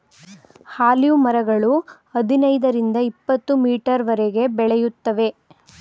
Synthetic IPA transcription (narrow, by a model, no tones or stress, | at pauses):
haːlijumɐɾɐɡɐɭuhɐd̪inɐjd̪ɐɾind̪ɐipːɐt̪ːumiːʈɐɾʋɐɾɛɡe̞bɛɭɛjut̪ːɐʋe̞